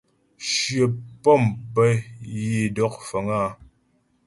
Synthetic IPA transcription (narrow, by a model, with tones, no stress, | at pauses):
ʃɥə˨pɔ˦˨mpɛ˦ji˨dɔ˨˦k̚fə˨ŋa˦˨